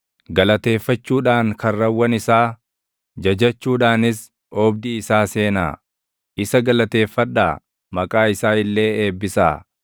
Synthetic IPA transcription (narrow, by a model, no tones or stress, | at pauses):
ɡɐlɐt̪e̞ːfːɐt͡ʃːuːᶑaːŋkʰɐrːɐwːɐnɪsaː | d͡ʒɐd͡ʒɐt͡ʃːuːᶑaːnɪs | ɔːbd̪iːsaːse̞ːna̰ː | ʔɪsɐɡɐlɐt̪eːfːɐᶑaː | mɐkʼaːɪsaːɪlːe̞ːeːbːɪsa̰ː